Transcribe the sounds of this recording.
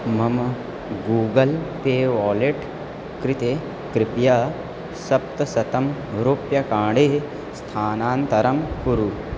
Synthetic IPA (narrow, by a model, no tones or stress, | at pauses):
mɐm | ɡuːɡɐlp̪eːʋaːleʈ | kɾɪt̪eː | kɾɪpja | sɐp̚t̪ɐsɐt̪ɐmɾopjɐkãːɖeː | st̪ʰaːnaːnt̪ɐɾɐmkuɾu